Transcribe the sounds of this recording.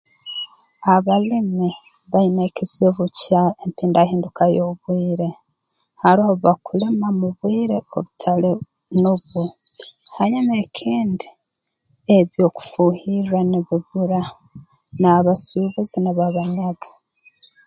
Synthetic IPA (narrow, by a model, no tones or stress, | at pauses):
aβalimi | βainekezeβucaempiːndahiːndukajoβwiːɾe̞ | haɾioβakule̞mamuβwiːɾe̞oβutʰale | noβuhaɲamekʰiːndi | eβjo̞ːku̥fuhiraniβiβuɾa | naβasuβuziniβaβaɲaɡḁ